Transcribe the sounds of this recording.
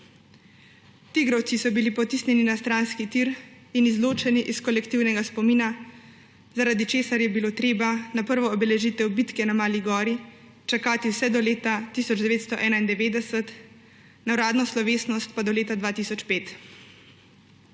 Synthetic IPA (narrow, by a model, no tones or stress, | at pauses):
t̪iɡɾɔw̪sisɔbilipɔt̪isnʲjɛninast̪ɾanskit̪iɾ | inizloːt͡ʃɛniʔiskɔlɛkt̪iwnɛɡaspɔmiːna | zaɾad̪it͡ʃeːsaɾjɛbiloːt̪ɾeːbanapəɾʋɔːbɛlɛʒit̪ɛwbit̪kɛnamaːliɡɔːɾi | t͡ʃakaːt̪iwsɛd̪ɔleːt̪at̪isɔd͡ʒd̪ɛʋeːt̪st̪ɔʔɛːnaind̪ɛʋeːd̪ɛsɛt̪ | nawɾaːd̪nɔslɔʋeːsnɔst̪̚pad̪ɔleːt̪ad̪ʋaːt̪isɔt͡ʃpeːt̪